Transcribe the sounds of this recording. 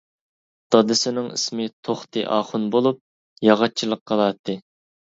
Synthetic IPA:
d̪̥ɑd̪ɨsɪnɪŋḭsmɪt̪ʰoχt̪ɨ̰ʔɑːχʊnbolˠup̚ | jɑʁɑt͡ʃʰilˠəqʰːɑlˠɑt̪ʰːɨ

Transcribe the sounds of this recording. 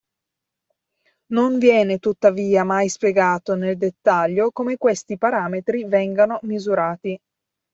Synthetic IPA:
noɱvjɛːnet̪ut̪ːaviːamajspjeɡaːt̪oneld̪et̪ːaʎːokomekwest̪ipaɾaːmet̪ɾivɛŋɡanomizuɾaːt̪i

